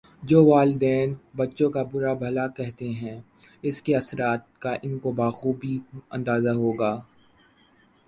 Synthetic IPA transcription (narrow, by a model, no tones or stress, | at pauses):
d͡ʒoːʋaːld̪ɛːnbɐtːʃõkabʊɾabʱɐlakɛɦt̪eɦɛ̃ː | ɪskeɐsɾaːt̪̚kaʔɪnkobaːɣuːbʱiɐ̃nd̪aːzaɦoːɡaː